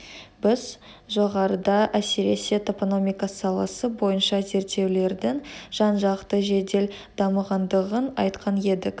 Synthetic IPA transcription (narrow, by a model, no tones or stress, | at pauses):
bɪz | ʒo̞ʁɑɾəd̪ɑʔæseɾe̞se̞t̪opono̞mʲijkɑsɑlˠɑsəbo̞jənʃɑze̞ɾt̪ːe̞wle̞ɾd̪ɪŋʒ̥ɑnʒɑqt̪əʒe̞d̪e̞l | d̪̥ɑməʁɑnd̪əʁənɑjt̪qʰɑne̞d̪ɪk